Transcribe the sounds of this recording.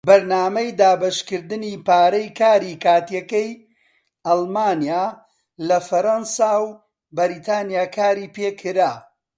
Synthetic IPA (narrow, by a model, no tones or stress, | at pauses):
bɐɾnaːmɐjd̪aːbɐʃkɨɾd̪ɨniːpaːɾɐjkʰaːɾikaːt̪jɐkɐj | ɐlˠmaːnijaː | lɐfɐɾɐnsaːw | bɐɾiːt̪ʰaːnijaːkʰaːɾiːpeːkʰɨɾaː